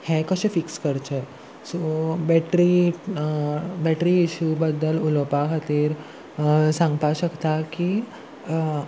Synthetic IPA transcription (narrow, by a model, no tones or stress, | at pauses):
hɛ̃kəɕefikskəɾt͡ɕe | sobɛʈɾi | bɛʈɾiːɕubəd̪ːəluləpakʰət̪iːɾ | sãŋɡpaɕəkt̪aki